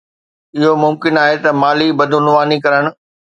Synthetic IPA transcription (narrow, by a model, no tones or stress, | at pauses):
ɪɦomʊmkɪnaːɦet̪ɐmaːlibɐd̪ʱʊnʊʋaːnikɐɾəɽ̃ʊ̆